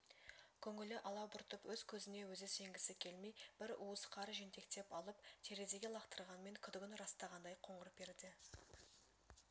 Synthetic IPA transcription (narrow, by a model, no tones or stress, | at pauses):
kʲʰɵŋɪlɪʔɑlˠɑwbʊɾt̪əpwɵzkʲʰɵzɪne̞wɵzɪse̞ŋɡʲɪsɪkʲʰe̞lme̞jb̥ɪɾuəsqʰɑɾʒent̪e̞kt̪e̞pɑlˠəp̚t̪ʲʰe̞ɾed̪e̞ɡʲe̞lˠɑqt̪əɾʁɑnme̞ŋkʲʰʏd̪ɪɡʲɪnɾɑst̪ɑʁɑnd̪ɑjqʰo̞ɴəɾəp̚be̞ɾd̪ɪ